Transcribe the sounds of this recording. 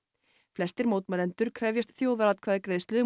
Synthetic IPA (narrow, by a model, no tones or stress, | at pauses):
flɛst̪ɪɾmowt̪malɛnt̪ʏɾ̥kʰɾɛvjast̪θjoːwðaɾat̪kʰvaːðkɾeːjðɪst̪lʏ